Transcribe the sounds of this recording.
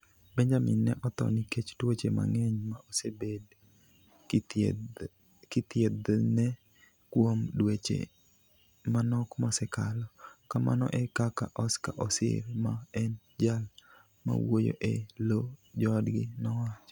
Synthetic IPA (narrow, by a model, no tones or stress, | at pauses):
bɛɲd͡ʒamɪnːɛ̰ʔɔt̪ɔ̰niket͡ʃdwet͡ʃema̰ŋeɲmaosebed | kɪt̪jed̪nɛ | kwomdwet͡ʃḛ | manɔkmɔsɛkalɔkamʔa̰nɔ̰ʔɛkakaʔɔskaʔɔsɪ̰ɾmaɛn | d͡ʒal | ma̰wojo̰ʔelod͡ʒɔdɡɪnɔwat͡ʃɔ